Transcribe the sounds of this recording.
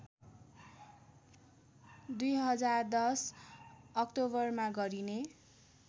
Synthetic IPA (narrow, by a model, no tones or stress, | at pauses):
d̪ujɦʌd͡zard̪ʌs | ʌkʈobʌrmaɡʌɾine